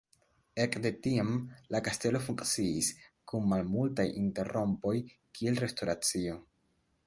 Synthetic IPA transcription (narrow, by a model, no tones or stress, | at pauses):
e̞kde̞tiamlakaste̞lo̞fuŋkt͡siiskunːalmultajʔinte̞ɾo̞mpo̞jkʰie̞lɾe̞sto̞ɾat͡sio̞